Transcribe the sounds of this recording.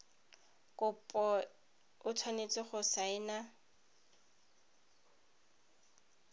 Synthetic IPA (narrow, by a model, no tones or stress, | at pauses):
kʼʊpʼɔ | ʊtʰwanet͡sʼɪχʊsaɪna